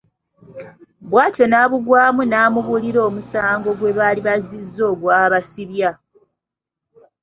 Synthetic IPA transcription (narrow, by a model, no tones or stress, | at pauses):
bwaːto̞naβuɡwaːmunaːmuβuliɾo̞ːmusaːŋɡo̞ɡwe̞βaːliβazizːo̞ːɡwaːβasiβja